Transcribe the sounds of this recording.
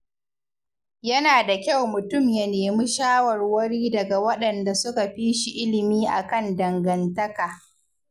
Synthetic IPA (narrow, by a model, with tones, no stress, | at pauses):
jɐ˦naː˨da˨kʲa˦˨wmʊ˨tʊ˦˨mjɐ˨neː˨mi˦ʃaː˦wɐ˨rwɐ˦ɽiː˦dɐ˨ɡa˨wɐ˦ɗɐ˨nda˨sʊ˦ka˨ɸiː˦ʃi˨ʔɪ˦lɪ˨miː˦ʔa̰˨kɐ˦ndɐ˨ŋɡɐ˨ntɐ˦kaː˨